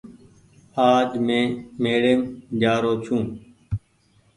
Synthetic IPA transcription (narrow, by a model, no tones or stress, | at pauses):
aːd͡ʒmẽːmeːɽeːmd͡ʒaːɾoːt͡ʃʰũː